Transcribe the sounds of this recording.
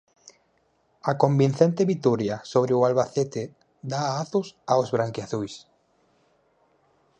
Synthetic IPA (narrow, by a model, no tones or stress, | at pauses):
akombinθent̪eβit̪uɾjasoβɾeʊalβaθet̪ɪ | d̪aaθʊsaozβɾaŋkjaθujs